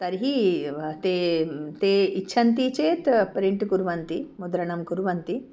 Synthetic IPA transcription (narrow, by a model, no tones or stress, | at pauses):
t̪ɐɾɦit̪eːt̪eːiʃʰɐnt̪it͡ʃeːt̪pɾiɳʈkuɾʋɐnt̪imud̪ɾɐɳɐmkuɾʋɐnt̪i